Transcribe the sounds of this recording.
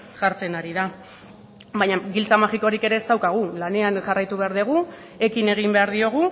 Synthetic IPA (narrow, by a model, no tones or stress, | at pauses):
ʝaɾt͡se̞naɾiða | baɲaɡilt͡samaxiko̞ɾike̞ɾe̞ːst̪awkaɣ̞ulane̞anʝarajt̪uβe̞aɾðiɣ̞u | e̞kine̞ɣ̞imbe̞aɾðio̞ɣ̞u